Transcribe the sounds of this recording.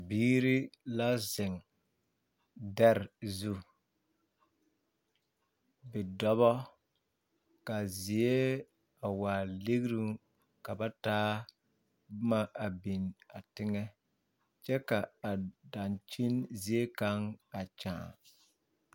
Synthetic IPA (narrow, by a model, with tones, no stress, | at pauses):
biː˦ɾi˦la˦zɪ˨ŋ | dɛ˦ɾzu˦ | bɛ˨dɔ˦βɔ˦ | ka˨zɪ˨e˦ | a˨waː˨le˦ɡɾu˦ŋ | ka˨ba˦taː˦ | bʊ˦ma˨ʔa˨bi˨na˨tɪ˦ŋɛ˦ | t͡ʃɛ˦ka˨a˨da˨nt͡ʃi˦nzi˨e˦ka˦ŋa˨t͡ʃã̰ː˨